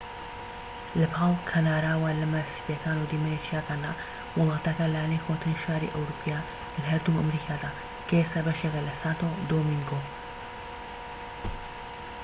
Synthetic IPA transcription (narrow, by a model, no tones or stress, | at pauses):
lɐpʰaːlkʰanaːɾaːwalɐmasi̥pjɐkaːnud̪imaɾet͡ʃʰijakaːnd̪a | wʊlˠɑːt̪ɐkɐlajanejxʰot̪ɨniʃaːɾḭʔɐwɾupʰijaː | lɦɐɾd̪uɐmɾikʰaːd̪aː | kʰɐesɐbɐʃekɐlɐsaːt̪od̪omiŋɡo